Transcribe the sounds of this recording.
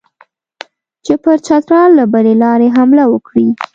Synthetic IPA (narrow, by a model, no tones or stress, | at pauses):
t͡ʃepəɾt͡ʃɑt̪ɾɑlːabəlelɑɾeɦamlawəkɽi